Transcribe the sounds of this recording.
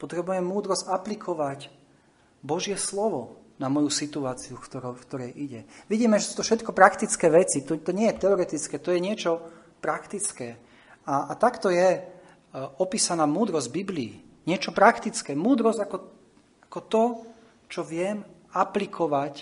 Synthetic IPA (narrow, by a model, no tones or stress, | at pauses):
pɔt̪ɾɛbujɛmːuːd̪ɾɔzɟaplikʰɔʋac | bɔʒɪjɛslɔʋɔ | namɔjusit̪uaːt͡siukt̪ɔɾkt̪ɔɾɛjʔiɟɛʋiɟiːmɛʒɛsut̪ɔfʃɛt̪kɔpɾakt̪it͡skɛːʋɛt͡sit̪ɔt̪ɔɲɪɛjɛt̪ɛɔɾɛt̪it͡skɛːt̪ɔjɛɲɪɛt͡ʃɔ | pɾakt̪it͡skɛː | aːt̪akt̪ɔjɛ | ɔpiːsanaːmuːd̪ɾɔzɟbiblḭːɲɪɛt͡ʃɔpɾakt̪it͡skɛːmuːd̪ɾɔzɟakɔ | ḁkɔt̪ɔ | t͡ʃɔʋɪɛmaplikʰɔʋac